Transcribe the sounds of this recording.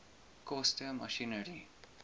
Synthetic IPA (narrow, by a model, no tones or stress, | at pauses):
kʰɔstəmə̰ʃinəɹi